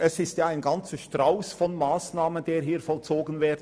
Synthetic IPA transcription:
ʔɛsɪstjaːaɪnɡɑnt͡səʃtʁaʊsfɔnmaːsnaːmənd̥eːɾɦiːɾfɔlt͡soːɡən̩veːd

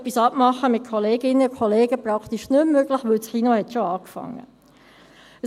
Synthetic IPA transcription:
pːisɑpmɑχːəmɪt̪̚kʰoleːɡɪnːəkʰoleːɡəpɾɑkt̪iʃnʏmːøɡlɪχʋɵlsχinohɛt̪ʃoɑːkfɑ̰ŋːə̰

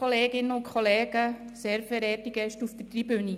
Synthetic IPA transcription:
oleːɡɪnːəʊntkʰχoleːɡ̥ə | seːɾfɛɾɛːtiɡɛʃtufd̪ətribyni

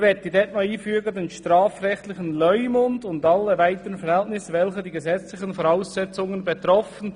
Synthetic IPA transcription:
vɛt̚d̥idɛtmaiːfyːɡədeːnʃtɾaːfɾɛxtlɪçənlœʏmʊndʊndɑlːəvaɪtəɾənfɛɾhɛltnɪsvɛlçədiːɡəzɛt͡slɪçənfoɾaʊsːɛt͡sʊŋənbet̪ɾɔfən̩

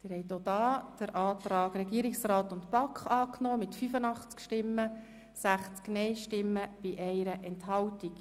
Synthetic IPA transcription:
tɪːɾhɛɪt̪od̪ɑːd̥əɾʔɑːt̪ɾɑːkɾɛɡiəɾɪksɾɑːt̪ʊnt̪pɑkχɑːknɔːmɪt̪fyfənɑχt͡skʃtɪmːə | sæχt͡sknɛɪʃtɪmːəb̥iʔɛɪɾəʔɛnthɑwtik

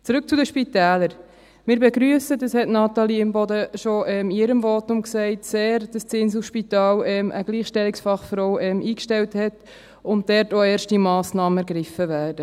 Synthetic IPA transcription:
t͡sɾʉk̚t͡sudəʃpitɛːləɾ | mɪːɾbɛɡɾyəsədɑshɛtnɑtɑliɪmbɔdəʃoʔɛmɪɾəmvoːtʊmksɛɪtseːɾd̥ɑst͡sɪns̬uʃpitɑːlɛmʔə̰ɡ̥liːχʃtɛliksfɑχfɾowɛmʔiːkʃtɛlthɛt | ʊnt̚dɛɾtoːɛːrʃtimɑːsnɑːməæɾɡɾɪfəvæːd̥ə

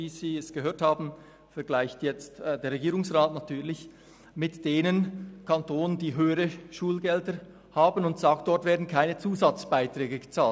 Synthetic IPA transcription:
viːziːɛsɡ̥əɦøːɐthaːbn̩ | fɛɐɡlaɪçtjɛt͡stdeːɾʁɛɡiːɾʊŋsʁaːtnatʰyːɐlɪç | mɪtd̥eːnənkʰantʰoːnəndiːɦøːəɾəʃuːlɡɛldə | haːbənʊntz̥aːk̚t̚d̥ɔtvɛːɐdn̩kʰaɪnət͡suːzɑt͡sb̥aɪtʁ̥ɛːɡəɡət͡saːlt

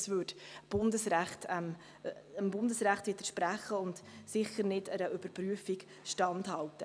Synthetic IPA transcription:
svʏdb̥ʊndəsɾæχtɛm | əmbʊndəsɾæχtʋɪːtəʃpɾæχəʊndsɪχəɾnɪdəɾəʔʏb̥əɾpryəfik | ʃtɑndhɑltːə

